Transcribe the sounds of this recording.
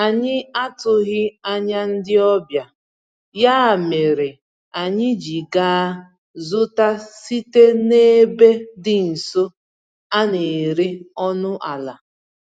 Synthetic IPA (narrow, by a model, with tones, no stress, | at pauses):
a˨ɲɪ˦a˦tʊ˨ɣɪ˦a˦ɲa˦n̩˦dɪ˦ɔ˦bja˨ | ja˦˨me˨ɾe˨ | a˨ɲɪ˦d͡ʒi˨ɡaː˦ | zʊ˦ta˦si˦te˦ne˦be˦dɪ˦n̩˨so˦ | a˦ne˨ɾi˦ɔ˦nʊ˦ʔa˨la˨